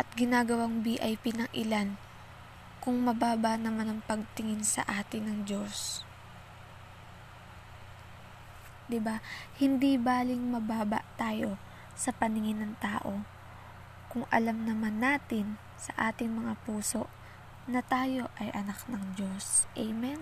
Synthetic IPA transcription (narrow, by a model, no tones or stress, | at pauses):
ʔɐt̪̚ɡɪnaːɡɐwaŋbiːʔɐjpɪnɐŋʔɪlan | kʊŋmɐbaːbɐnɐmanɐŋpɐɡ̚t̪ɪŋɪnsɐ̰ʔaːt̪ɪnɐŋd͡ʒo̞s | d̪ɪbahɪnd̪ibaːlɪŋmɐbaːbɐ̰ʔt̪aːjo̞ | sɐpɐnɪŋɪnɐŋt̪aːʔo̞ | kʊŋʔɐ̰lamnɐmanːaːt̪ɪn | sɐʔaːt̪ɪŋmɐŋapuːso̞ʔ | nɐt̪aːjo̞ʔɐjʔɐnaknɐŋd͡ʒo̞sʔɛjmɛn